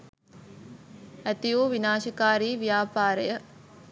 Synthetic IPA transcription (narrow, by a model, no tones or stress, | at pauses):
æt̪ijoːʋinaːʃɐkaːɾiːʋijaːpaːɾəjə